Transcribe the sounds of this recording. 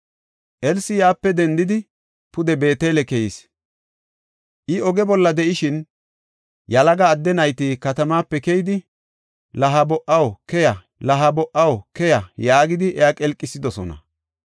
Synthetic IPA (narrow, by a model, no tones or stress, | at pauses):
ʔɛlsɪjaːpːɛd̪ɛnd̪ɪd̪ɪ | pʊd̪ɛbe̞ːt̪eːlɛkɛjis | ʔɪɔɡɛbɔlːɐd̪ɛʔɪʃɪn | jɐlɐɡɐːd̪ːɛnɐjt̪iːkɐt̪ɐmaːpːɛkɛjɪd̪ɪ | lɐɦɐbɔʔɐwkɛjɐ | lɐɦɐbɔʔɐwkɛjɐjaːɡɪd̪ɪʔɛjakʼɛlkʼːɪsɪd̪ɔsɔ̰nɐ̰